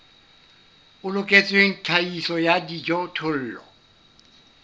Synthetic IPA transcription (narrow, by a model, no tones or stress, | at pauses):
ʊlʊkʼet͡sʼwen̩tʰaisɔjadid͡ʒɔtʰʊl̩ːlɔ̰